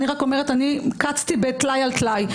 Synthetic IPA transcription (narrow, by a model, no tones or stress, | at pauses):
niʁako̞me̞etanikat͡st̪ibet̪lajalt̪laj